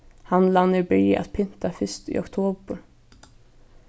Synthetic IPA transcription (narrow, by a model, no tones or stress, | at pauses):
hanlanːəɾbʏjʔa̰t̪̚pʰɪnt̪afʏst̪ḭːɔkt̪ʰoːbəɾ